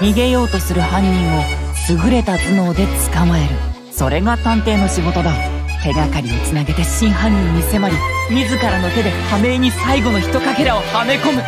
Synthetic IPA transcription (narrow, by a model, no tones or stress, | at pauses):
mʲiɡe̞jo̞ːt̪o̞sɨɾɯ̟hãɲ̟ːĩɰ̃o̞ | sɨɡɯ̟ɾe̞t̪at͡sɨno̞ːd̪e̞t͡sɨ̥kamae̞ɾɯ̟ | so̞ɾe̞ɡat̪ãnt̪e̞ːno̞ɕiɡo̞t̪o̞d̪ao | t̪e̞ɡakaɾʲiit͡sɨnaɡe̞t̪e̞ɕĩɰ̃ɦãɲ̟ːĩomʲise̞maɾʲi | mʲizɨkaɾano̞t̪e̞d̪e̞hame̞ːɲ̟isaiɡo̞no̞çi̥t̪o̞kake̞ɾao̞hame̞ko̞mɯ̟